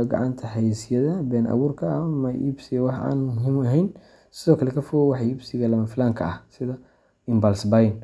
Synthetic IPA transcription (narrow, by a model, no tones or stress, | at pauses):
ɡɑ̰ʕɑnt̪ʰɐħɛjsjɐðɐbɛːnʔɐ̰wuːrkʰɐɐmɐʔḭbsɪɐwɑħa̰ːnmʊɦimɐɦɛjn | sɪðɔːkʰɐlɛkʰɐfʊwɑħiːbsɪɣɐlɐmɐfɪlaːŋkʰɐɐhsɪðɐ | ɪmbɐlsbɐjn